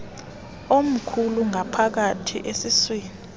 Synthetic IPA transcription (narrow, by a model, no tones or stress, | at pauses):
om̩kʰuluŋʱapʰak̬atʰḭʔesiswiːni